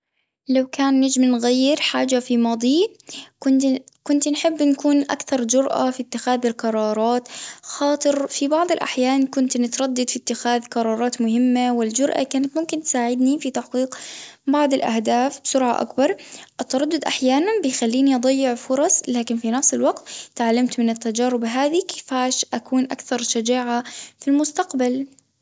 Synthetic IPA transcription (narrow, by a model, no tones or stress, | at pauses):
lawkaːnːad͡ʒmnɣajːɪɾħaːd͡ʒafimɑːd̪ˤiː | kʊnkʊnt̪nħɪbːnkuːnʔa̰kθɑɾˤd͡ʒʊɾʔa̰fit̪ːɪxaːðɪlqɑɾˤɑːɾˤɑːt̪xɑːt̪ˤɨɾfibɑʕd̪ˤɪlʔa̰ħjaːnkʊnt̪nɪt̪ɾˤɑd̪ːad̪fit̪ːɪxaːðqɑɾˤɑːɾˤɑːt̪mʊhɪmːawɪld͡ʒʊɾʔa̰kaːnat̪mʊmkɪnt̪saːʕɪd̪nifit̪aħqiːqbɑʕd̪ˤɪlʔa̰hd̪aːfbsʊɾʕa̰ʔa̰kbɑɾˤʔɪt̪ːɑɾˤɑd̪ːʊd̪ʔaħjaːnanbɪjxalːiːniʔɑd̪ˤɑjːɪʕfʊɾˤɑsˤlaːkɪnfinafsɪlwaqt̪t̪ːʕalːamt̪mɪnɪt̪ːad͡ʒaːɾɪbɦaːðikɪ̥faːʃʔakuːnʔa̰kθɑɾˤʃad͡ʒaːʕafilmʊst̪aqbal